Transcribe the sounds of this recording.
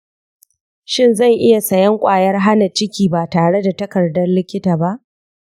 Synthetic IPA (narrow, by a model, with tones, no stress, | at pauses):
ʃɪ˦nzɐ˦˨ŋʔɪ˦ja˨sɐ˨jɐ˦ŋkʷʼaː˨jɐ˦rɦa˦na˨t͡ʃɪ˦kʲiː˨baː˨taː˨ɽe˦da˨tɐ˦kɐ˨rdɐ˦rlɪ˦kʲɪ˦taː˨ba˦ʔ